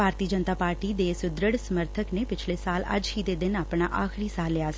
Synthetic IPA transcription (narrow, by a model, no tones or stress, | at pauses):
bʱaːɾt̪iːəd͡ʒənt̪aːpaːɾʈiːd̪esʊd̪ɾəɽsəməɾt̪ʰəkneːpɪt͡ʃʰleːsaːlə̰d͡ʒɦiːd̪eːd̪ɪnaːpɳaːʔaːkʰɾiːsaːlːɪjaːs